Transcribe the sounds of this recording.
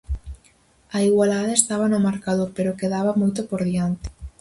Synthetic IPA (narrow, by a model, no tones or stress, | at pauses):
aiɣwalaðaest̪aβanʊmaɾkaðopeɾokeðaβamojt̪opoɾðiant̪ɪ̥